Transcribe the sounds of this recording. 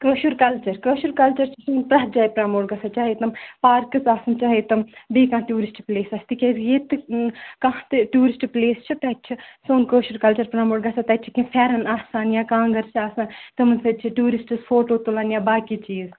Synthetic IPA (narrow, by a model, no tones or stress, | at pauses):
kəːʃuɾkɐlt͡ʃɐɾkəːʃuɾkɐlt͡ʃɐɾt͡ʃʰisoːnpɾɐːd͡ʒaːjpɾamoːɽɡɐsat͡ʃaːɦet̪ɐmpaːɾkɨsaːsɐnt͡ʃaːɦeːt̪ɐmbiːkãːʈuːɾisʈpleːsɐsʰt̪ikʲesjeːt̪ɨkãɦt̪ɨʈuːɾisʈpleːst͡ʃʰit̪ɛt͡ʃʰisoːnkəːʃuɾkɐlt͡ʃɐɾpɾamoːɽɡɐsat̪ɐt͡ʃʰikĩfʰɛːɾɐnaːsaːnjaːkãːŋɡɐɾsʰaːsãnt̪ɨmɐnsɐt͡ʃʰiʈuːɾisʈɨsfʰoːʈoːt̪oːlaːnjaːbaːkit͡ʃiːz